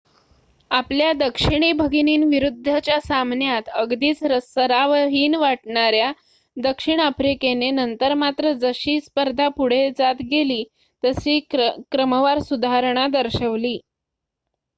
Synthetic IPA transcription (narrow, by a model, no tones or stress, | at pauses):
apljad̪əkʂiɳ̃iːbʱəɡiniːnʋiɾud̪ʱːat͡ɕjasamnjat̪əɡd̪iːt͡sɾəsəɾaʋɦiːnʋaʈɳaɾja | d̪əkʂiɳ̃afɾikenenənt̪əɾmat̪ɾəd͡zəɕiːspəɾd̪ʱapuɽ̤ed͡zat̪ɡeliː | t̪əɕiːkɾəməʋaɾsud̪ʱaɾɳ̃ad̪əɾɕəʋliː